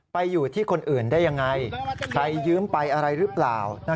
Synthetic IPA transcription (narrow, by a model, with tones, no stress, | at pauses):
pa˧jːuː˨˩t̪ʰiː˥˩kʰo˧nʔɯː˨˩ndaː˥˩ja˧ŋːa˧jkʰɾa˧jːɯː˦˥mpa˧jʔa˧ɾa˧jɾɯ˦˥plaː˨˩wna˥˩